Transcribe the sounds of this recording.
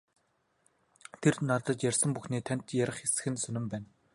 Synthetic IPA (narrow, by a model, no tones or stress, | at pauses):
t̪ʰernat̪ə̆t͡ɕjarʲsə̆mpuxniːt̪ʰæn̥t̪jæɾʲə̆χesɘ̆xɘ̆nsɵnɘ̆mpæːn